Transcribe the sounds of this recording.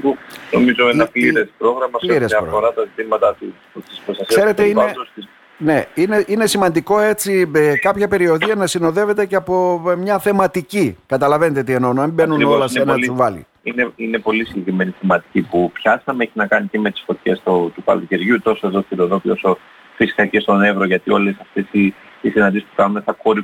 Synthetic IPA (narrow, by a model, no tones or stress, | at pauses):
puno̞mizo̞enɐpliɾespɾo̞ɣɾɐmɐsliɾesɐɾoɣfo̞ɾɐt̪ɐzit̪imɐt̪ɐt̪u | t̪ispɾost̪ɐsisɐse̞ɾet̪eiɐðost̪i | ne̞ine̞ʔine̞simɐnd̪iko̞e̞t͡siekɐpçɐpe̞ɾio̞ðiɐnɐsino̞ðe̞ve̞t̪e̞ceɐpo̞mɲɐθe̞mɐt̪icikɐt̪ɐlɐve̞net̪et̪ienonoɐmbe̞nunolɐsenɐuvɐlḭ | ineine̞po̞lisiɲɟe̞kɾime̞niθemɐt̪i̥cipupçɐsɐmeeçinɐkɐniceme̞t̪i̥sfo̞t̪çe̞st̪ot̪ukɐ̰loceɾʝut̪o̞so̞e̞ðoθiloðo̞pio̞so̞ | fisi̥t̪ɐcest̪o̞ne̞vɾoʝɐt̪io̞lesɐft̪esi | isinɐnd̪isi̥spukɐnunesθɐkoɾi